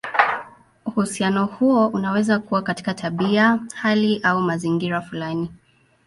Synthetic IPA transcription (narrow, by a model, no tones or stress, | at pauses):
uhusianɔhuɔʔunawɛzakuwakati̥katʰaɓiahaliʔaumaziŋɡiɾafulani